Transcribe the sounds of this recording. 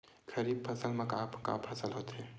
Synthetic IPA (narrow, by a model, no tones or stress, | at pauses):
kʰəɾiːb̚pʰɐsəlmẽkaːpka̰pʰɐsəlɦoːt̪ɦɛ